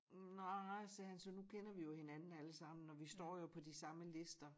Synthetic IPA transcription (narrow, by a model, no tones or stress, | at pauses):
nasɛhænsɒnukʰenɐʋijo̝he̝nænn̩æləsɑ̈m̰n̩ɒʋisd̥ɒ̰ːjo̝pʰɒ̽disɑ̈məle̝sd̥ɐ